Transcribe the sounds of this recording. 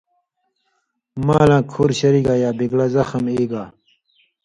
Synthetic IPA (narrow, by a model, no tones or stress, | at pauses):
maːlãːkʰoɾɕɐɾiɡaːjaːbiɡlazɐxɐmeːɡaː